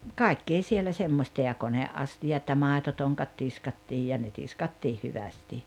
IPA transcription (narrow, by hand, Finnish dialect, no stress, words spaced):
kɑˑi̞kːeː sielæ semːosʲtɑ jɑ koneʔːɑstiɑt jɑ mɑˑetotoŋkɑt tiskɑtːiːj jɑ ne tiskɑtːiːh hyʋæsti